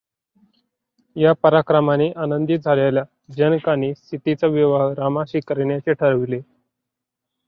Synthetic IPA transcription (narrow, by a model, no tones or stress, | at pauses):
japəɾakɾəmaniʔanənd̪iːd͡zʱalalja | d͡ʑənkaniːst̪ʰit̪it͡səʋiʋaɦɾamaɕikəɾɳjat͡ɕeʈʰəɾəʋile